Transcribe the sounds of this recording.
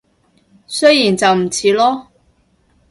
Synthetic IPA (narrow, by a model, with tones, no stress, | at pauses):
sɵ˥ɥjiː˨˩nt͡sɐ˨wm̩˨˩t͡sʰiː˨˧lɔː˥